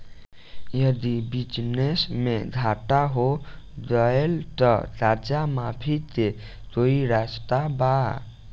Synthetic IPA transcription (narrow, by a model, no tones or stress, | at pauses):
jəd̪ibid͡ʒnesmed̪ʱaʈaɦo | dəelt̪ʌɾad͡ʒamapʰit̪e | t̪oiɾast̪aba